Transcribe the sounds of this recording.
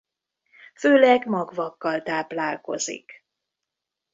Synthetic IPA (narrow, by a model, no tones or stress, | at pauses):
føːlɛɡmɒɡvɒkːɒlt̪aːplaːlko̞̰zḭk